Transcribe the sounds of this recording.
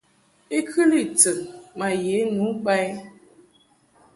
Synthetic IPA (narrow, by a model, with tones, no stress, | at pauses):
i˦kʰɨ˦li˦˨t͡sə˨mma˨je˨˦nu˨˦k͡pa˦j